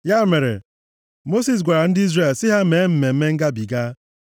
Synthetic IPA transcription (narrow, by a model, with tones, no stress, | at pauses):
ja˦me˨ɾḛ˨ | mo˦si˨s̬ɡʷa˨ɾa˨n̩˦dɪ˦i˦zɾe˦˨lsɪ˦ɦa˦me˨˦m̩˨me˨m̩˦me˦ŋ̩˦ɡa˦bi˨ɡa˦